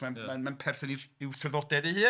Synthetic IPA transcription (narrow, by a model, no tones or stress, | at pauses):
manmanmanpʰɛrθɔnɪɪwθrəðɔdɛdehɨː